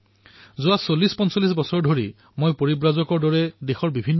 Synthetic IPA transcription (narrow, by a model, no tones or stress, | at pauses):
zʊasolːispɔnsɔlːis̬bɔsɔɹdʱoɹi | mojpoɹibɹazɔkɔɹdɔɹɛdexɔɹbibʱinː